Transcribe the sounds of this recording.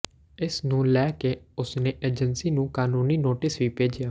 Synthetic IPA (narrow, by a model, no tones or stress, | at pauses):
ɪsnũːlɛːkeːʊsneːʔeːd͡ʒənsiːnũːkaːnuːniːnoːʈɪsʋiːpeːd͡ʒɪjaː